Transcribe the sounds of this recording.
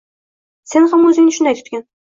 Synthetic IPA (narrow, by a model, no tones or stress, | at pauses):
senhamɵzɪŋnɪʃʊnd̪ajt̪ʰʊ̥t̪kʲan